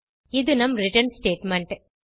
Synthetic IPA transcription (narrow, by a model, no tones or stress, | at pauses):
id̪unɐmɾiʈɐnsʈeːʈmeɳʈ